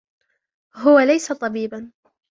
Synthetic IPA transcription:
ɦʊwalajsat̪ˤɑbiːban

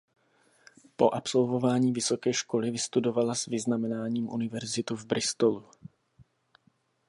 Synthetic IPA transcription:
po̞ʔapso̞lvo̞vaːɲiːvɪso̞kɛːʃko̞lɪvɪst̪udo̞valasvɪznamɛnaːɲiːmʔṵnɪvɛɾzɪt̪uvbɾɪst̪olu

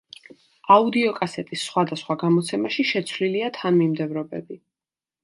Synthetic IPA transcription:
aud̪iɔkʼasɛt̪ʼisːχwad̪asχwaɡamɔt̪sʰɛmaʃiʃɛt̪sʰvliliat̪ʰanmimd̪ɛvɾɔbɛ̰bi

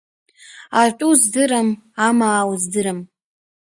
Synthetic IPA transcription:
atʷʼuzdɨɾamamaːwzdɨɾɨm

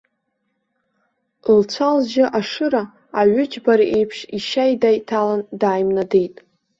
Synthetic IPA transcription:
lt͡sʷʰalzʒɪʔaʂɨɾaː | ɥʷʊd͡ʒbaɾʔe̞jpʰʂiʃajdajtʰalandaːjmnadejtʼ

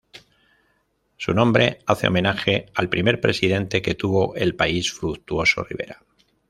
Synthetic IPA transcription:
sunõ̞mbɾe̞aθe̞o̞̰mẽ̞naxe̞alpɾime̞ɾpɾesiðe̞nt̪e̞ke̞t̪uβo̞ʔe̞lpaisfɾukt̪uo̞so̞̰rḭβe̞̰ɾa

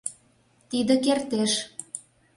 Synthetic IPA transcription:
t̪id̪ə̆kert̪eʃ

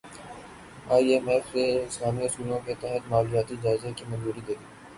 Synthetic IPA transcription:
aːiemɛːfseɪslaːmiɐsuːlõket̪ɛɦət̪maːlujaːt̪id͡ʒaːɪzekimɐ̃nzuːɾid̪eɾiː

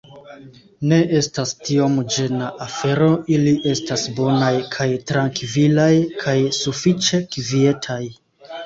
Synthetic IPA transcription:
ne̞ʔe̞stastiomd͡ʒe̞naʔafe̞ɾo̞iliʔe̞stasbo̞najkʰajtɾaŋkvilajkʰajsufit͡ʃe̞kvie̞tʰaj

